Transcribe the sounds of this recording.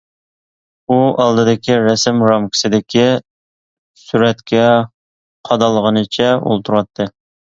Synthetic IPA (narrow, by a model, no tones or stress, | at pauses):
uɑlˠd̪ɨd̪ɪkʲiɾɛsɪmɾɑmkʲʰɪ̥sɪd̪ɪkʲi | syɾɛt̪kʲʰɛ | qʰɑd̪ɑlˠəʁənɨt͡ʃʰɛo̰lˠt̪ʰuɾwɑt̪ʰːɨ